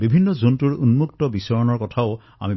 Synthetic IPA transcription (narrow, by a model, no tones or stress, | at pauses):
bibʱinːɔzontuɹunmuktɔbisɔɹɔnɔɹkɔtʰaʊ | a̰mi